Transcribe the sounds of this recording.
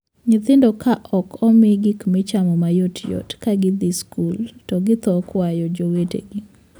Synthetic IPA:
ɲɪt̪ɪndɔkʰaʔɔkʰɔmɪɡikmɪt͡ʃamɔmajotjɔ̰tkaɡɪd̪iskultɔɡɪt̪ɔkwajɔd͡ʒowetḛɡi

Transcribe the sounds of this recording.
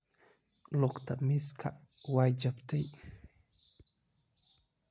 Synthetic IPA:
lɔkt̪ʰɐmɪskʰɐwaːjd͡ʒɐbt̪ʰɛj

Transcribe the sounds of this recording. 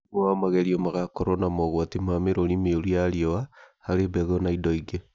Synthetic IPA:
mamaɣɛɾiɔmaɣakɔɾɔnamɔɣwatimameɾonimeoɾiaɾiɔahaɾebɛɣɔnaidɔiɡe

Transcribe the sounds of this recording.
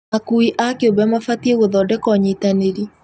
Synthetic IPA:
akuiʔakeobɛmafatieɣoðɔdɛkɔɲitaneɾi

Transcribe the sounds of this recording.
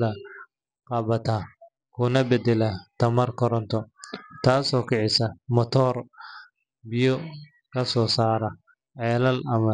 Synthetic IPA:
ðɐ | qɑβɐt̪ʰaː | kʰʊnɐbɛd̪ɛlɐt̪ʰɐmɐrkʰɔɾɔnt̪ʰɔt̪ʰaːsɔːkʰɪʕɪsɐmɔt̪ʰɔːr | bɪjɔ | kʰɐsɔːsaːɾɐ | ʕɛːlɐlɐmɐ

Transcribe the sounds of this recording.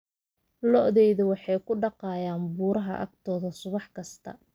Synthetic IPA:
lɔʔðɛjðʊwɑħɑjkʰʊɖɑqɑːjaːnbuːɾɐɦɐ̰ʔɐ̰ɡ̚t̪ʰɔːðɐsʊβɑħkʰɐst̪ʰɐ̰

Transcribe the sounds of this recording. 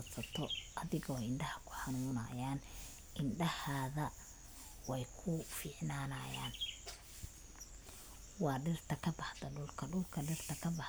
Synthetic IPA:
sɐt̪ʰɔʔɐðɪɣɔɪɳɖɐhɐkʰʊ̥ħɑnuːnɐ̰jaːn | ʔɪnɖɐhaːðɐ | wɛjkʰʊfɪːʕnaːnɐjaːn | wɑːɖɪrt̪ʰɐkʰɐbɑħd̪ɐɖʊlkʰɐɖʊlkʰɐɖɪrt̪ʰɐkʰɐbɑħ

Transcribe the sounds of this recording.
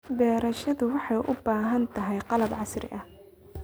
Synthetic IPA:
bɛːɾɐʃɐðʊwɑħɑjʔʊbaːɦɐnt̪ʰɐɦɛjqɑlɐbʕɑsrɪ̰ʔɐh

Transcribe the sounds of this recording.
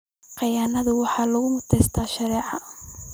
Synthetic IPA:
qɑjaːnɐðʊwɑħɑːlɐɣʊmʊt̪ʰɛjst̪ʰaːʃɑɾɛːʕɑ

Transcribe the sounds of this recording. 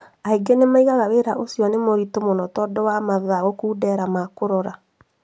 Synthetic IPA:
aiɡenemaiɣaɣaweɾaʔosjɔnemoɾitomonɔtɔdɔwamaðaɣokuːdɛɾamakoɾɔɾa

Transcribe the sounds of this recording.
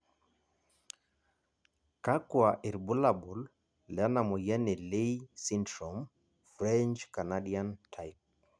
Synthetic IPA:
kakwaʔiɾbulabul | lanamɔjɛnileisindɾɔm | fɾɛnt͡ʃkanaɗiantʰajp̚

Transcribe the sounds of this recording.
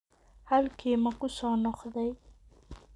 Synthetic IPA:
hɐlkʰiːmɐkʰʊsɔːnɔqðɛj

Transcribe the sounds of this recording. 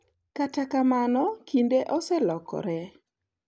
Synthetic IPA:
katakamanɔkindeʔɔsɛlɔkɔ̰ɾɛ

